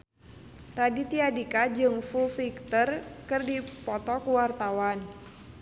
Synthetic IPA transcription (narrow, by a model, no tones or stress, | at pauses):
radit̪iadikad͡ʒɨŋfufikt̪ərkɨrdipɔt̪ɔkuwart̪awan